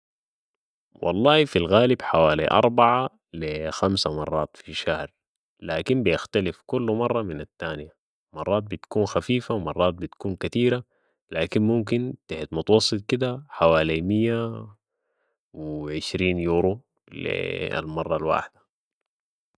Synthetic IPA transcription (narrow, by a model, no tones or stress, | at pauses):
wɑ̰lˤːɑːhfilɣaːlibħawaːlḭʔɑ̰ɾˤbaʕa | lixamsamɑrˤːɑːt̪fiʃahɾ | laːkimbijaxt̪alifkulːmɑrˤːɑminat̪ːaːnija | mɑrˤːɑːt̪̚bit̪kuːnxafiːfawmɑrˤːɑːt̪̚bit̪kuːnkat̪iːɾa | laːkinmumkint̪aħt̪mʊt̪ɑwɑsˤːɨt̪̚ˤkid̪aħawaːlimijːa | wiʕɪʃɾiːnjuːɾo | lḭa̰lmɑrˤːɑlwa̰ːħd̪̥ḁ